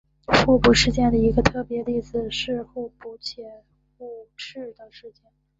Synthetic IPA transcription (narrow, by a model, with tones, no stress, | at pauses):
xu˥˧pu˥˩ʂɻ̩˥˧t͡ɕjɛ˥˩nd̪ə˩i˧˥ɡə˧t̪ʰɤ˥˩pjɛ˧˥li˥˩d͡z̩˨˩ʂɻ̩˥˧xu˥˩pu˧˥t͡ɕʰjɛ˨˧˩ | xu˥˩˧ʈ͡ʂɻ̩˥˩d̪ə˩ʂɻ̩˥˧t͡ɕjɛ˥˩n